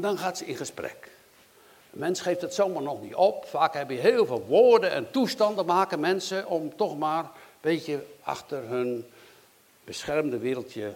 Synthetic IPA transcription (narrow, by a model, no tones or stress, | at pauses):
ndɔnxaːtsəɪ̰nxəsprɛ̰k | mɛnsxejftdətsowmarnɔxnitopfaːkhɛbəjəɦeːlˠveːlˠʋoːrdəɛ̰ntustɑndəmaːkəmɛnsəʔɔmtɔxmaːrb̥etjəa̰xtərɦøn | b̥əsxɛrmdəʋɪːɾəlˠtʰjə